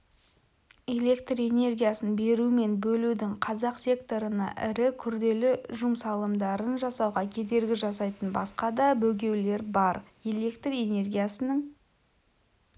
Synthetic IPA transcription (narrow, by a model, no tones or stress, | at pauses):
e̞le̞kt̪re̞ne̞rɡʲijasənbe̞ɾume̞nbɵlud̪ɪŋqʰɑzɑqsʲe̞kt̪o̞ɾənɑ̰ʔɪ̰ɾɪkʲʰʏɾd̪e̞lɪʒʊmsɑlˠəmd̪ɑɾənʒɑsɑwʁɑkʲʰe̞d̪e̞ɾɡʲɪʒɑsɑjt̪ənbɑ̰sqɑd̪ɑbɵɡʲe̞wle̞ɾbɑɾ | e̞le̞kt̪re̞ne̞rɡʲijasənəɴ